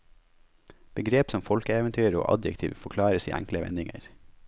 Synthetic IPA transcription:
b̥əɡɾeːpsɔmfɔlkəeːʋɛnt̪ʰyːɾo̰ːʔɑ̰d̪jɛ̰kt̪ʰḭːʋfɔkʰlɑːɾəsḭːʔæŋkləʋɛ̰nɪŋə̰ɾ

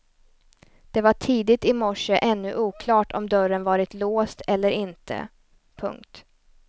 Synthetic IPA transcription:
d̪̥ɛvaʈʰiːd̪ɪt̪ɪmɔʂəʔɛnːɵʔuːkʰlɑːʈʰɔ̰md̪œɾənvɑːɾɪt̪loːst̪ʰɛlːəɾɪnt̪ʰə̰ | pʰɵ̰ŋk̚t̪

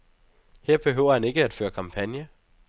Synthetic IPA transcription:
he̝ɐ̰b̥e̝ɦøʊ̰ɐhæne̝ɡ̥əæd̥fø̰ːɐkʰɑ̈mpʰænjɐ

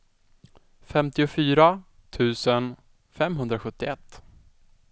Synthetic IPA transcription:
fɛmt̪ɪʊfyːɾa | t̪ʰʉ̟ːsən | fɛmɦɵnd̪ɾaɧɵt̪ːɪɛt̪ː

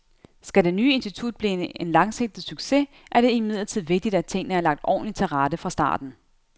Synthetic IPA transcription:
sɡ̥æde̝nyːe̝nsd̥it͡sʰud̥̚b̥lḭenlɑ̈ŋse̝ɡ̥̚d̥̩syɡ̥se̝ | ʔæɐɾ̥e̝imið̞̰ˠlɐt͡sʰið̞̰ˠʋe̝ɡ̥̚d̥id̥æ̥t͡sʰe̝ŋ̰nəhæɐlɑ̈ɡ̥̚d̥ɒ̰ːnlit͡sʰe̝lʁɑd̥əfʁɑ̈sd̥ɑ̰̈ːd̥n̩

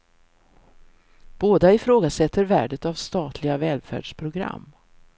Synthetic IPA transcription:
b̥oːd̪aɪfɾoːɡasɛt̪ʰːəɾvæːɖət̪avst̪ɑːt̪ʰlɪɡavɛːlfæ̰ːɖ̥ʂpʰɾʊɡɾa̰mː

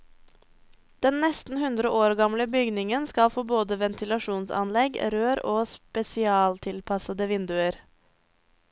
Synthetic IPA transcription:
d̪̥ɛnnɛst̪n̩hʉnd̪ɾəʔoːɾɡɑmləbʏɡnɪŋənskɑlfoːboːd̪əʋɛnt̪ʰɪlɑʃuːnsɑ̰nlɛɡɾøːɾoːspɛsɪɑːlt̪ʰɪlpʰɑsəd̪əʋɪnd̪ʉəɾ

